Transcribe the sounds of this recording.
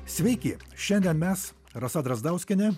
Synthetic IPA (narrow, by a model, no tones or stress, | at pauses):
sʲʋʲɛɪkʲɪʃʲɛnʲd̪ʲiɛnmʲɛs | ɾɐsɐd̪ɾɐzd̪ɑˑʊsʲkʲɪnʲɪ